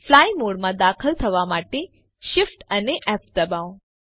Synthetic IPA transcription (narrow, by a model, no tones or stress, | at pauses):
flajmoɽmãd̪akʰəlt̪ʰəʋamaʈe | ʃɪfʈəneʔɛp̚d̪əbaʋ